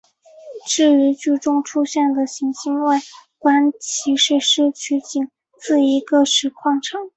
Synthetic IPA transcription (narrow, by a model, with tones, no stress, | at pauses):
ʈ͡ʂɻ̩˥˩i˧˥t͡ɕy˥˩ʈ͡ʂʊ˥ŋʈ͡ʂʰu˥ɕjɛ˥˩nd̪ə˩ɕi˧˥ŋɕi˥nwe˥˩ɪkwa˥nt͡ɕʰi˧˥ʂɻ̩˥˧ʂɻ̩˥˧t͡ɕʰy˥t͡ɕi˨˩ŋ | t͡sɹ̩˥˩i˧˥ɡə˧ʂɻ̩˧˥kʰwɑ˥˩ŋʈ͡ʂʰɑ˨˩˦ŋ